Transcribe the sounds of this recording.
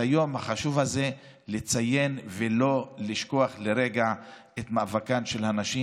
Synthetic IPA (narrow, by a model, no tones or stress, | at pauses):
ajo̞mhaχaʃuvhaze̞ | let͡saje̞nvelo̞liʃko̞aχleɾe̞ɡa | et̪mavakanʃelhanaʃi